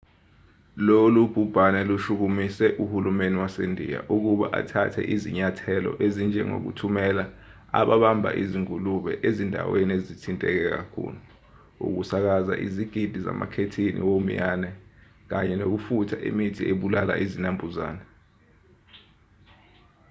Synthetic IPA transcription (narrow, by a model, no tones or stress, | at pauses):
lolub̥ʱub̥ʱanɛluʃuk̬umisɛʔuhulumeniwasendʱḭja̰ʔuk̬uɓaʔa̰tʰatʰɛ̰ʔiziɲatʰɛlɔ̰ʔezind͡ʒʱɛ̰ŋo̰k̬ṵtʰumɛla | a̰ɓaɓambʱa̰ʔiziŋuluɓɛ̰ʔezindʱa̰weniezitʰintʼɛk̬ɛk̬akʰṵːlu | ṵk̬usak̬aza̰ʔiziɡ̥ʱid̥ʱiza̰ma̰kʰetʰinḭwomijaːnɛ | k̬aɲɛnok̬ufutʰaʔḭmitʰiʔeɓulala̰ʔizinambʱuza̰ːnɛ